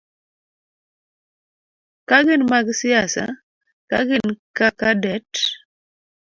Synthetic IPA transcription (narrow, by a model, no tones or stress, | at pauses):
kaɡɪnmaɡsɪasa̰ | kaɡɪnkakadɛt